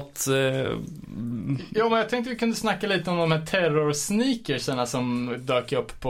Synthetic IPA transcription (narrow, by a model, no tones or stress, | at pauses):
t̪ | jɑːmɛnjɑɡt̪ʰɛŋkt̪əvɪkɵnd̪əsnakːaliːt̪əɔmd̪ɔmhæːʈʰɛrʊɾsniːkəʂəɳasɔmd̪øːkəɾɵpːʰɔ